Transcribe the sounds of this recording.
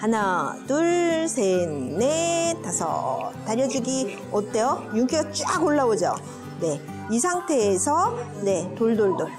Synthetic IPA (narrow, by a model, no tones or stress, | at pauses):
hanatuɭsʰennetasʰʌ̰taɾjʌd͡ʑiɡi | ʌt͈ejojuŋkʰiɡat͡ɕ͈aɡoɭːaod͡ʑo̰ | ne̞ | is̬ʰaŋtʰe̞ːsʰʌ | ne̞toɭdoɭdoɭ